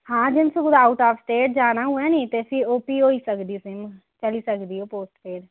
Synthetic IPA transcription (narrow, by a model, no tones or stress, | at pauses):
hãːd͡ʒɪnsʊɡʊd̪aːʊʈaːfsʈeːʈd͡ʒaːnaːɦʊɛːniːt̪eːəsĩːoːpiːɦoːiːsəkd̪iːsɪm | t͡ʃəliːsəkd̪iːɦoːpoːsʈpʰeːɾ